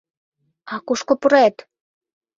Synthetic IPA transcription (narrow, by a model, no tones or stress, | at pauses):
ɑkuʃkopuɾet̪